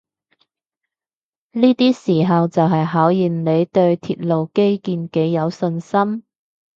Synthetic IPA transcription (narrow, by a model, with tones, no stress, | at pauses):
niː˥t̪iː˥siː˨˩ɦɐ˨wt͡sɐ˨wɦɐ˨jɦaː˨˥wjiː˨nne˨˧jt̪ɵ˧ɥt̪ʰiː˧t̚lo˨wke˥jkiː˧nke˨˧˥jjɐ˨˧wsɵ˧nsɐ˥m